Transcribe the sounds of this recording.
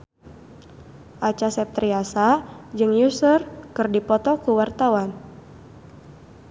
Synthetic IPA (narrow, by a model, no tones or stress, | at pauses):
ʔat͡ʃasɛp̚t̪ɾiasad͡ʒɨŋjusərkɨrdipɔt̪ɔkuwart̪awan